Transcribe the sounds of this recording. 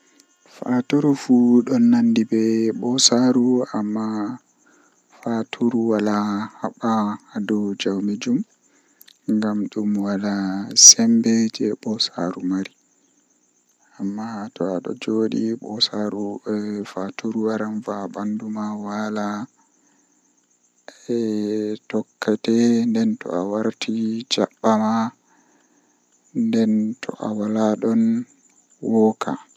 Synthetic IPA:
fatuɾufuɗɔnːandibɛɓɔsaɾuamːa | fatʰuɾuwalahaɓaadɔd͡ʒawmid͡ʒum | ŋɡamɗumwalasɛmbɛd͡ʒɛɓɔsa̰ɾumaɾi | amːatɔaɗɔ̰d͡ʒoːɗiɓɔsaɾufatuɾuwaɾanvabandumawala | ɛtɔkːatɛndɛntɔ̰awaɾtʰid͡ʒaɓːama | ndɛntʰɔ̰ʔa̰walaɗɔn | wɔkʰa̰

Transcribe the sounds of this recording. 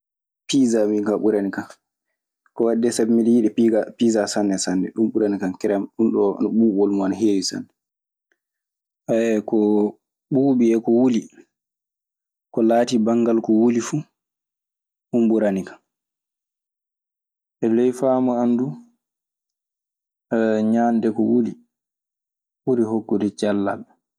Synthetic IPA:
pizamiŋkaɓuɾanikan | kɔwadːɛsabɛmiɗɛjiɗɛiɡapizasanːɛsandɛ̰ɗumɓuɾanikankɛɾɛmɗunɗɔ̰naɓuːɓɔlmɔanaɦeːwisa̰nːɛ | ʔaɛkɔ | ɓuːɓiɛkɔwuli | kɔlaːtibaŋɡalkɔwulifu | ɗumbuɾanikḁn | ʔɛlɛjfamɔandu | ɲandɛkɔwuli | ɓuɾiɦokːudɛd͡ʒalːa̰ɓɛ

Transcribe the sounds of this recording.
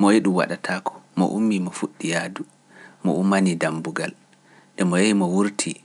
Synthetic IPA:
mɔjiɗumwa̰ɗatʰakʰɔ̥mɔ̰ʔumːimɔfuɗːijaːdu | mɔ̰ʔumːanidambuɡal | ɗɛmɔjaimɔwuɾtʰi

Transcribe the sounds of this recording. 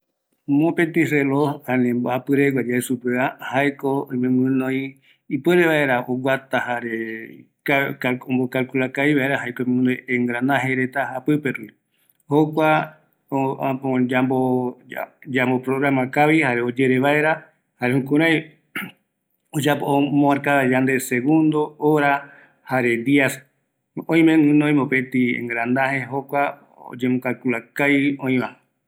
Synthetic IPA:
mõpẽnt̪iselohanẽmboapɨɾeɡʷwad͡ʒaesupeahajkoõjmẽmɨ̃nõj̃ | ipweɾeβae̞ɾaoɡʷwat̪ahaɾe | kakaõmbokalkulakaiβaeɾahajkoimẽmɨ̃nõjẽŋɡɾanãɦeɾet̪aapɨpeɾui | hokʷa | oapoabo | d͡ʒambopɾoɣɾamãkaβihaɾeod͡ʒe̞ɾeβae̞ɾa | haɾehũkũɾaj | od͡ʒapoomõaɾkaad͡ʒand̪e̞seɣũnd̪ooɾa | haɾe̞d̪ias | õj̃meŋũnõj̃mopet̪iḛ̃ŋɡɾand̪ahe̞ɦokʷa | o̰d͡ʒemõkalkulakajõĩmã

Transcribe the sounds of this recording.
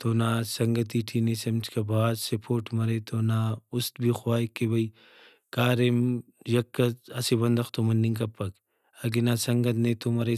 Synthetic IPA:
t̪oːnaːsɐŋɡɐt̪̬iːʈʰiːnesɐmd͡ʒkɐbʱaːd̪sɐpʰoːʈʰmɐɾeːt̪oːnaːʊst̪bʱiːxwaːjkːebɐi | kaːɾemjɐkːɐɐsibɐnd̪ɐxt̪omɐnːiŋkɐpːɐk | ɐɡinasɐŋɡɐt̪neːt̪omɐɾe

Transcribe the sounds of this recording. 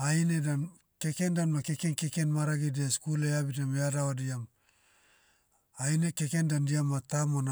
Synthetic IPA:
ainedan | ke̞kendanmakekenkekenmaɾaɡideskuleabitameadawadiam | ajneke̞kendandiamːatamona

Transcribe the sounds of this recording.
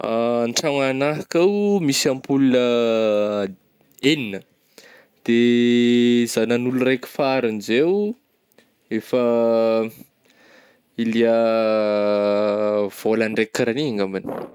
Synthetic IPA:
anʈ͡ʂaŋanaɦakawmisampulunə | eninə | d̪̥e | zananulurekʲu̥faɾunzew | efə | iliə | v̥olaɳɖ͡ʐekːaɾaniaŋɡamani̥

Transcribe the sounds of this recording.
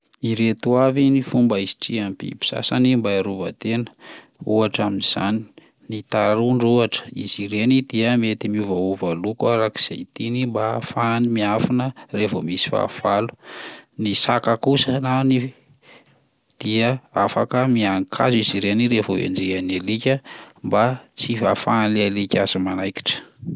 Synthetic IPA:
iɾet̪uavinifumbəisi̥ʈ͡ʂiampḭpi̥sa̰sanimbaaɾuvət̪enə̥ | uaʈ͡ʂaminiz̥a̰ni | nit̪aɾuɳɖ͡ʐuaʈ͡ʂə̥iziɾenid̪iəmet̪imiuvauvalukaɾaki̥z̥ḛt̪inimbafanimiafinərefomisi̥fa̰v̥alu̥nisakakusənani | d̪̥iəafakəmiaŋkʰa̰ziziɾeniɾefoḛnd͡ʒeanelikʲəmbat͡sivafanlalikʲazimanajki̥ʈ͡ʂə̥

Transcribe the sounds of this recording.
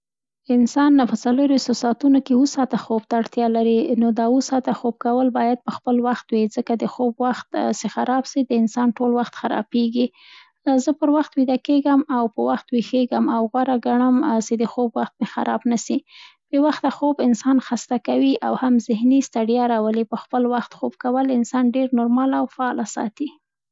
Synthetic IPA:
ɪnsɑnpət͡saloɾwixt̪osɑt̪unokeusɑt̪axobt̪aːɽt̪jɑlaɾinod̪ɑusɑt̪axob̚kawəlbɑjad̪̚pəxpəlwaxt̪wizəkad̪əxobwaxt̪sexaɾɑbsid̪əɪnsɑnʈolwaxt̪xaɾɑ̰beɡi | zəpəɾwaxt̪wid̪akeɡəmawpəwaxt̪wixeɡəmawɣwaɾaɡaɳəmsed̪əxobwaxt̪̚mexa̰ɾʔɑbnasi | b̥ewaxt̪axobɪnsɑnxast̪akawiʔawhamzɪhnist̪aɖijɑɾɑwəlipəxpəlwaxt̪xobkawəlɪnsɑnɖeɾnoɾmɑlawfaɑlasɑ̰t̪i

